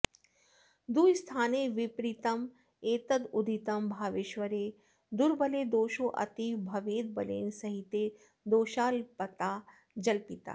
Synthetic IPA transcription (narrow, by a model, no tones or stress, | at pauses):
d̪uːst̪ʰaːneːʋipɾit̪ɐm | eːt̪ɐd̪ʊd̪ʱit̪ɐmbʱaːʋiʃʋɐɾeː | d̪ʊɾbɐleːd̪oːʃoːʔɐ̰t̪ibʱɐʋeːd̪̚bɐlḛːnsɐɦit̪eː | d̪oːʃaːlpɐt̪aː | d͡ʒɐlpit̪a̰ː